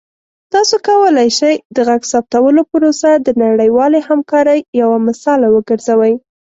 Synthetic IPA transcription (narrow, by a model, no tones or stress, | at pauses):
t̪ɑsokawəlajʃajd̪əɣaɡsɑp̚t̪awəlopəɾosad̪ənaɽəjwɑlehamkɑɾəjːawamɪsɑlawəɡəɾzawəj